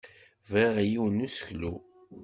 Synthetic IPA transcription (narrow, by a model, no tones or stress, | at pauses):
viʁjiwnːusə̥çlu